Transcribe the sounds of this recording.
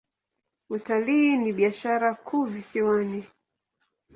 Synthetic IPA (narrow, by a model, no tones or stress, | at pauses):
utaliːniɓiaʃaɾakʰuvisiwani